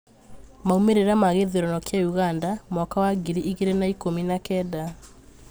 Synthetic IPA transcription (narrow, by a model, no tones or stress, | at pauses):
maumeɾeɾamaɣeðeɾɔnɔkjajuɣandamɔkawaɡiɾiʔiɣeɾenaikominakɛda